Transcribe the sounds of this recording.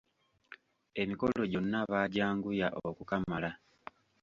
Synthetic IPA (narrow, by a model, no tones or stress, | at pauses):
e̞miko̞lo̞ɟo̞nːaβaɟaːŋɡujaʔokukamala